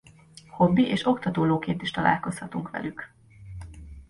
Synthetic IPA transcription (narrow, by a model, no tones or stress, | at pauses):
ho̞bːiʔeːʃo̞kt̪ɒt̪oːloːkeːnt̪iʃt̪ɒlʔa̰ːlko̞shɒt̪uŋkʋɛ̰lyk